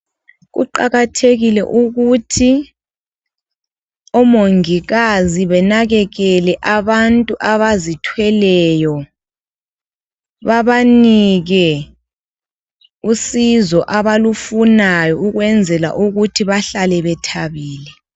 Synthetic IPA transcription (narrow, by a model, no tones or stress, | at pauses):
ɣṵǃa̰ɣatʰeɣilɛ̰ʔuɣutʰi | ɔmoŋiɣaziβɛnaɣɛɣɛlɛʔaβantʼuʔaβazitʰwɛlɛjɔ | βaβaniɣɛ | usizɔʔaβalufunajɔuɣwɛnd͡zʱɛla̰ʔuɣutʰiβaɬalɛβɛtʰaβiːlɛ